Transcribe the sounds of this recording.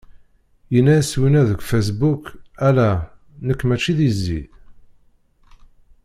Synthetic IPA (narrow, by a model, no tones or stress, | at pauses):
jənːæswinæðəɡʷfæs̬bukælæ | nəkːmæt͡ʃːiðizːḭð